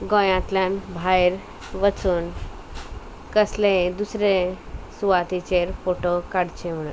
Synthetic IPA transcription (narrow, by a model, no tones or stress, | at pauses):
ɡɔ̃jãt̪ljãnbʱajɾ | ʋət͡suːn | kəslẽd̪usɾe | suʋat̪it͡ɕeɾfoʈokaɽt͡ɕem̤əɽ̃u